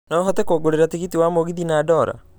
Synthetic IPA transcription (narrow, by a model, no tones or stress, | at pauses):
nɔɦɔt̪ekoɡoɾeɾatiɣitiwamoɡiðinaːdɔːɾa̰